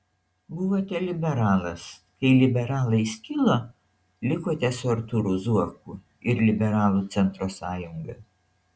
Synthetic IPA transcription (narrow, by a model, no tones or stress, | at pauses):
bʊʋoːt̪ʲɛlʲɪbʲɛɾɑːlˠɐs | kɐɪlʲɪbʲɛɾɑːlˠɐɪʃʲkʲɪlˠoː | lʲɪkoːt̪ʲɛsʊɐɾt̪uɾʊzuɔkʊ | ɪɾlʲɪbʲɛɾɑːlˠuːˑt̪sʲɛnˑt̪ɾoːsɑːjʊŋɡɐ